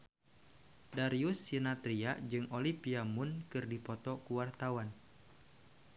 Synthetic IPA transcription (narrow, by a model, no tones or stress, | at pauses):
daɾiusːinat̪ɾiad͡ʒɨŋʔolipiamʊnkɨrdipɔt̪ɔkuwart̪awan